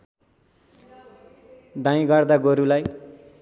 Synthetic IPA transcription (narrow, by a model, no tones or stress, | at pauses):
d̪ãj̃ɡʌrd̪aɡoɾulaj